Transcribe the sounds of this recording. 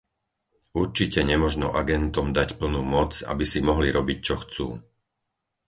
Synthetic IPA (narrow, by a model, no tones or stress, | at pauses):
uɾt͡ʃicɛɲɛmɔʒnɔ̰ʔaɡɛnt̪ɔmd̪acpl̩nuːmɔt͡sa̰bisimɔɦliɾɔbic̚t͡ʃɔxt͡sṵː